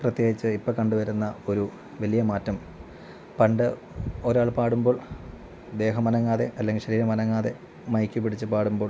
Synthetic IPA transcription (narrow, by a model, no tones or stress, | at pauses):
prɐt̪je̞ːɡit͡ɕːɨipːɐkɐɳɖuʋɐɾunːɐo̞ɾu | ʋɐlijɐmaːtːɐm | pɐɳɖɨ | o̞ɾaːɭpaːɽumbo̞ːɭ | d̪e̞ːɦɐmɐnɐŋːaːðe̞̰ʔɐlːeŋɡiɕɐɾiːɾɐmɐnɐŋːaːðe̞ | mɐjkʲːupːiɽit͡ɕːɨpaːɽumbo̞ː